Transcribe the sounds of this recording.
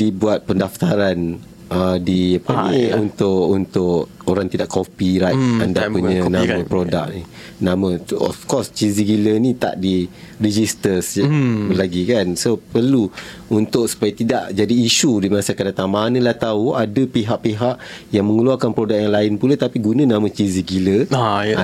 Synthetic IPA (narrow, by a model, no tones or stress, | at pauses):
dibuat̪̚pəndaft̪aɾan | ədiapaniunt̪ʊʔunt̪ʊʔ | oɾaŋt̪idaʔkopiɾajt̪andapuɲə̃nãmə̃pɾoda̰k̚ni | nãmə̃ɔ̰fkɔst͡ʃiziɡilənĩt̪a̰ʔdi | ɾid͡ʒist̪əsbəlaɡikansopərlu | unt̪ʊʔsu̥pajat̪idaʔd͡ʒadiːʃudimasakadat̪aŋmanə̃laht̪auadəpiɦaʔpiɦaʔ | jaŋmə̃ŋəluakanpɾodak̚jaŋlaɪnpulat̪apiɡunə̃nãmə̃t͡ʃiziɡilə